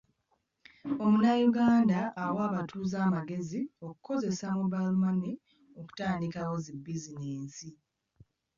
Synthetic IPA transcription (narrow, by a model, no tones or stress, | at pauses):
o̞munajuɡaːndaʔːwaːβatʰuːzaːmaɡe̞zio̞ku̥ko̞ze̞samubalmani | o̞ku̥taːndikawozibːizineːnsi